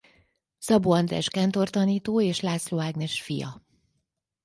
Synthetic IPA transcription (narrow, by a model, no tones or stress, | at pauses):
zɒboɒnd̪ɾɛ̰ʃkɛnt̪ort̪ɒniːt̪oːeːʃlaːt̪sloːaːɡnɛʃfijɒ̰